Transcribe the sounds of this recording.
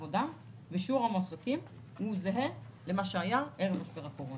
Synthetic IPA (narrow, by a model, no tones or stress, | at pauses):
voda | veʃuʁamasokim | huzeɦelemaʃeajaʔeʁevmaʃbeʁakoʁon